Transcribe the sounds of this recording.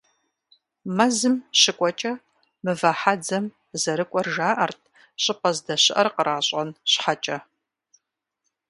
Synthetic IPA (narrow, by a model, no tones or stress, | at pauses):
mɐzɨmɕɪkʷʼɔt͡ʃʼɐ | mɨvɐħad͡zɐm | zɐɾɨkʷʼɔrʒaːʔɐrtʰ | ɕʼɪpɐzdɐɕɪʔɐrqəɾʔaːɕʼɐnɕħat͡ʃʼɐ